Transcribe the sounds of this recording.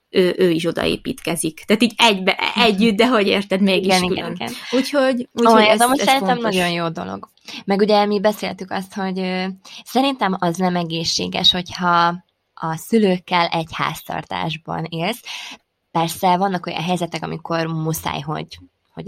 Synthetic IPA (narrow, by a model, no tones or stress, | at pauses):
øːʔøːiʃo̞d̪ɒ̰ḛːpḭːt̪kɛzikt̪aːt̪iːɟɛɟbɛʔɛɟːyt̪̚d̪ɛɦo̞ɟḛːrt̪ɛd̪meːɡiɡiɡɛniɡɛ̰niɡɛ̰nuːchoɟuet̪omusɛɾint̪ɛmnɒɟo̞njoːd̪o̞̰lo̰ɡ | mɛɡuɟɛmibɛseːlt̪ykɒst̪ho̞ɟøsɛɾint̪ɛmɒznɛmɛɡeːʃːḛːɡɛ̰ʃho̞chɒ | ɒsyløːkːɛlɛɟha̰ːst̪ɒ̰rt̪a̰ːʒbɒ̰neːls | pɛrsɛvɒnːɒko̞jɒ̰nɦɛjzɛt̪ɛkɒmikʰo̞rmusa̰ːjɦo̞̰ɟ | ho̰ɟ